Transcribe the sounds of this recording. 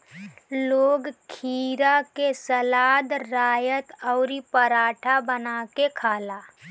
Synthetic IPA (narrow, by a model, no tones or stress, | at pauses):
loːɡkʰiːɾakesəlaːd̪ɾaːjət̪ɔʊɾipəɾaːʈʰabənaːkekʰaːlaː